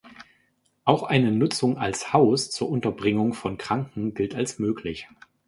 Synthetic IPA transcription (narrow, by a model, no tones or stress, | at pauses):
ʔaʊxʔaɪnənʊt͡sʊŋalshaʊst͡suːɐʔʊntɐbʁɪŋʊŋfɔnkʁ̥aŋkŋ̩ɡɪltalsmøːklɪç